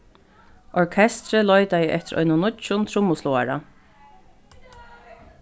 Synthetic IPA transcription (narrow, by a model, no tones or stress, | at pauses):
ɔɹkʰɛst̪ɾəlɔjt̪aiʔɛht̪ɪɾɔ̰ʏnʊnʊt͡ʃʊnt̪ʰɾʊmːʊslɔa̰ɾa̰